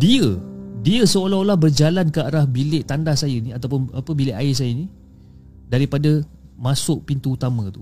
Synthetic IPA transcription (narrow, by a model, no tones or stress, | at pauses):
diədiəsəolaɦolahbərd͡ʒalankəaɾahbilɪʔt̪andahsajəniat̪awp̬ʊnapəbilɪʔaɪs̬ajəni | daɾipada | masʊʔpint̪uːt̪amə̃t̪u